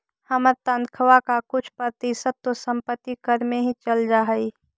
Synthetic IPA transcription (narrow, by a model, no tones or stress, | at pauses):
həməɾt̪and̪kʰəʋakakʊt͡ʃʰpɾət̪isət̪̚t̪ːosə̃mpət̪ːikəɾmẽɦit͡ʃəld͡ʒaːɦəi